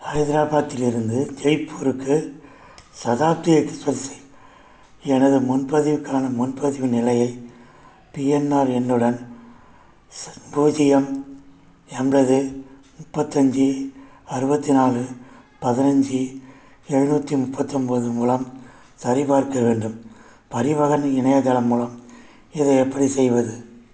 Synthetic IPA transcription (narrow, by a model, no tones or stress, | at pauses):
hɐɪðɪɾaːbaːt̪ːɪlɪɾɯnd̪ɯd͡ʒɛɪpːuːɾɯkːɯ | sɐðaːp̚t̪ɪjɐkːɯsɐlsɐ | ɛnɐðɯmʊnpɐðɪʋɯkːaːnɐmʊnpɐðɪʋɯnɪlɐjɐɪ | piɛnːaːɾɛnɯɽɐn | buːd͡ʒɪjɐm | ɛmbɐðɯ | mʊpːɐt̪ːɐɲd͡ʒɯ | ɐɾɯbɐt̪ːinaːlɯ | pɐðɪnɐɲd͡ʒɯ | ɛɻɯnuːtːimʊpːɐt̪ːɔmbɐðɯmuːlɐm | sɐɾɪpaːɾkɐʋeːnɖɯm | pɐɾɪʋɐɣɐnɪɳɐjɐd̪ɐlɐmːuːlɐm | ɪðɐɛpːɐɽisɛjʋɐðɯ